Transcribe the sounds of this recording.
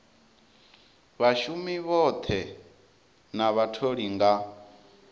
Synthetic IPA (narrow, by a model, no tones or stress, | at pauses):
βaʃumiβɔt̪ʰɛ | naβatʰoɺiŋɡa